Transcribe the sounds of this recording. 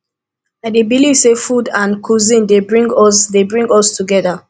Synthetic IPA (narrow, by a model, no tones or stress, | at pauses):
aɪdebilivsefudãnkʰuzĩndebɹĩŋɡɔsdebɹĩŋɡɔstuɡɛða